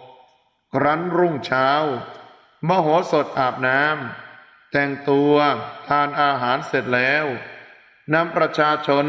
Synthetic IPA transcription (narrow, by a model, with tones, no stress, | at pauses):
kʰɾa˦˥nɾu˥˩ŋt͡ɕʰaː˦˥w | mɔː˧ɦoː˩˦so˨˩t̪̚ʔaː˨˩p̚naː˦˥m | t̪ɛ˨˩ŋt̪u˧ət̪ʰaː˧nʔaː˧ɦaː˩˦nse˨˩t̪̚lɛː˦˥w | na˦˥mpɾa˧t͡ɕʰaː˧t͡ɕʰo˧n